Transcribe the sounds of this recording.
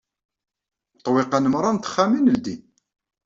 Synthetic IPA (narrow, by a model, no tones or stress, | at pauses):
t̪ˤːweqanəmɾˤɑnt̪ə̥χːæminəld̪in